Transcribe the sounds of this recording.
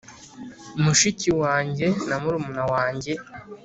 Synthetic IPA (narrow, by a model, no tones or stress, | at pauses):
umuʃiciwaːɲɟe̞namuɾumunawaːɲɟe̞